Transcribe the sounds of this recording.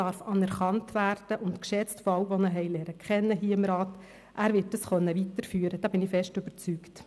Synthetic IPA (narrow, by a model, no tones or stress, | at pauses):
ɑɾfɑnɛɾχɑntʋæːɾd̥əʔʊntkʃɛt͡stfoɑwʋonəɦɛɪlɛːɾəkʰχɛnːəɦiːəɪmɾɑːt | ʔæːɾʋɪt̚d̥ɑsχœnːəʋitəɾfyːɾəd̥ɑːb̥ɪnɪfɛʃtøb̥əɾt͡sykt